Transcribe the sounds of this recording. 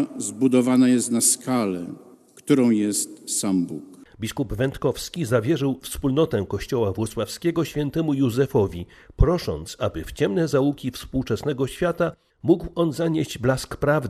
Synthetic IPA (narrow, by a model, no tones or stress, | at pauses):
zbud̪ɔvanajɛst̪naskalɛ | kt̪uɾɔ̃w̃jɛst̪sambukbʲiskubvɛnt̪kɔfskʲizavʲjɛʐɘwfspulnɔt̪ɛkɔɕt͡ɕɔwavwɔt̪swafskʲɛɡɔɕfʲjɛnt̪ɛmujuzɛfɔvʲi | pɾɔʂɔ̰nt̪sabɘft͡ɕɛmnɛzaukʲifspuwt͡ʂɛsnɛɡɔɕfʲjat̪a | muɡwɔnzaɲeʑd͡ʑblaskpɾavd̪